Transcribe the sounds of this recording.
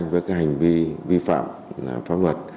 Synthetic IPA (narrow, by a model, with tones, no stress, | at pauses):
ŋvəː˨˦jkaː˨˦˥k̚ha˨˩jŋ̟vi˧vi˧fa̰ː˧˨m˨ | faː˨˦˥lwə˨˩t̚